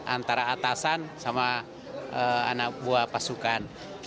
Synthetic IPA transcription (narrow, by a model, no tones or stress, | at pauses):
ʔant̪aɾaːt̪asansama | əa̰nak̚buapasukan